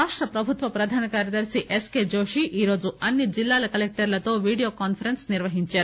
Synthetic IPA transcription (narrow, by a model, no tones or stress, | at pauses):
aːʈɾɐpɾɐbʱut̪ʋɐpɾɐd̪ʱaːnɐkaːɾjɐd̪ɐɾsiʔeskeːd͡ʒoːʂiʔiːɾo̞ːd͡ʒuɐnːid͡ʒilːaːlɐkɐlek̚ʈɐɾlɐt̪o̞ːʋiːɽijoːkaːnpʰɐɾensniɾʋɐɦiɲt͡ʃaːɾuu